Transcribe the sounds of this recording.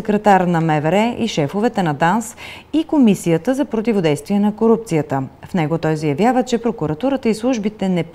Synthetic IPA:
ɛkɾɛt̪aɾnɐmɛvɛɾɛʔiʃɛfovɛt̪ɛnɐd̪ans | ikomisijət̪əzɐpɾot̪̬ivod̪ɛjst̪viɛnɐkoɾup̚t̪sijət̪əfnɛɡot̪ɔjzəjɐvjavət͡ʃɛpɾokʊɾɐt̪uɾət̪əislˠuʒbit̪ɛnɛp

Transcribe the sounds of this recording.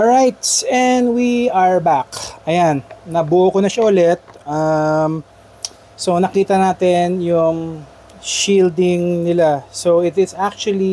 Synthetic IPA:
ɹajt̪sɛnd̪wiɐɹbakʔɐjanːɐbuʔokonɐʃaʔʊlɛt̪̚ʔam | sonɐkiːt̪ɐnaːt̪ɛnjʊŋ | ʃiːld̪ɪŋnɪlasoɪt̪ɪt̪sak̚t͡ʃʊɐli

